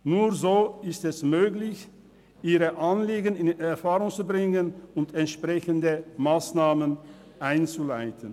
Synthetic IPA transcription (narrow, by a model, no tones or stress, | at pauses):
nuːɐzoːɪstɛsmøːɡlɪç | ʔiːʁəʔanliːɡənɪnɛɐfaːʁʊŋt͡subʁɪŋənʊntɛntʃpʁ̥ɛçəndəmaːsnaːmən | ʔaɪnt͡sulaɪtʰən